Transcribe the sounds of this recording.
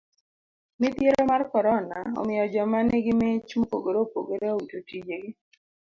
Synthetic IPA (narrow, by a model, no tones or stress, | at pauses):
mɪt̪jeɾomarkɔɾɔna̰ɔ̰mɪjɔd͡ʒɔmaneɡɪmɪt͡ʃmopo̰ɡoɾopo̰ɡoɾeoutotid͡ʒeɡɪ